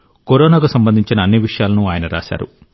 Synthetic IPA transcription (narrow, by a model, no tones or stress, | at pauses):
koɾoːnaːkusɐmbɐnd̪ʱiɲt͡ʃinɐːnːiʋiʂɐjaːlɐnuaːjɐnɐɾa̰ːsa̰ːɾṵ